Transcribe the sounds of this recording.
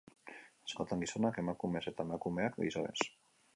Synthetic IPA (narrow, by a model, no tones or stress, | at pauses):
asko̞t̪aŋɡiso̞nake̞makume̞se̞t̪ae̞makume̞akɡḭsoe̞̰s